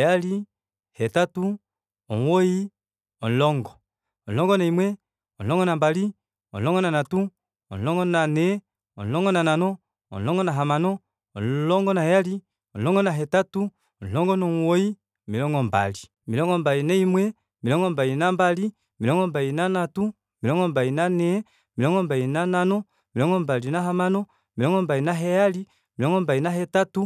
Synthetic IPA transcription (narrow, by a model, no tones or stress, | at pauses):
jali | hɛtatu | ɔŋwɔi | ɔn̩lɔŋɡɔ | ɔlɔŋɡɔnaimwɛ | ɔlɔŋɡɔnambali | ɔlɔŋɡɔnanatu | ɔ̰n̩lɔŋɡɔnanɛ | ɔ̰n̩lɔŋɡɔnananɔ | ɔ̰n̩lɔŋɡɔnaɦamanɔː | nlɔŋɡɔnajali | ɔn̩lɔŋɡɔnaɦɛtatu | ɔɔŋɡɔnɔŋwɔi | milɔŋɡɔmba̰li | milɔŋɡɔmbalinaimwɛ | milɔŋɡɔmbalinambali | milɔŋɡɔmbalinanatu | milɔŋɡɔmbalinanɛ | miɔŋɡɔmbalinananɔ | milɔŋɡɔmbalinaɦamanɔ | milɔŋɡɔmbalinaɦɛjali | milɔŋɡɔmbainaɦɛtatu